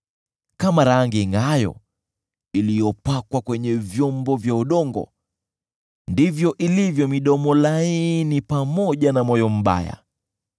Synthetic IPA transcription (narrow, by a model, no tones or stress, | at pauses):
kamaɾaŋɡiŋɡajɔ̰ | ilijɔpakwakwɛɲɛvjɔmbɔvjauɗɔŋɡɔ̰ | ndivjɔʔilivjɔmiɗɔmɔlainipamɔʄanamɔjɔm̩ɓa̰ja̰